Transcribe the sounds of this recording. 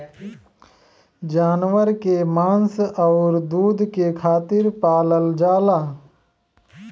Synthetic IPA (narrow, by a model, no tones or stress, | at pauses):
d͡ʒaːnwəɾkemãːnsɐʊɾd̪uːd̪kekʰaːt̪ɪɾpaːləld͡ʒaːlaː